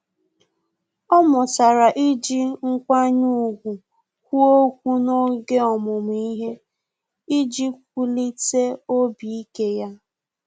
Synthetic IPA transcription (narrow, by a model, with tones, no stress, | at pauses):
ɔ˦mʊ˨sa˨ɾa˨ʔi˦d͡ʒi˦ŋ̩˦kʷa˦ɲu˦˨ɡʷu˨ | kʷu˦o˦kʷu˦no˦ɡe˦ɔ˨mʊ˨m˨i˦ɦe˦ | i˦d͡ʒi˦k̚ʷu˦li˦te˦o˦bi˨i˦ke˦ja˦